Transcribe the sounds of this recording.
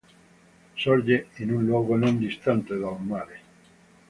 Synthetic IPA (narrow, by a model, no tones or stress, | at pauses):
soɾʝeenũnlwoɣonõnd̪ist̪ant̪eðawmaɾe